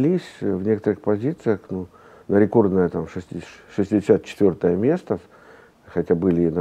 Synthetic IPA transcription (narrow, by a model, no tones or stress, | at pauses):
lʲisʲvnʲe̞kə̥t̪əɾɨxpɐzʲit̪sɨjəxnu | nəɾʲɪko̞rd̪nəjət̪amʂɨsʲtʲɪʂɨsʲtʲɪdʲɪsʲat̪̚t͡ɕɪ̥t̪vʲo̞rt̪əjəmʲe̞st̪ə | xɐtʲabɨlʲɪnɐ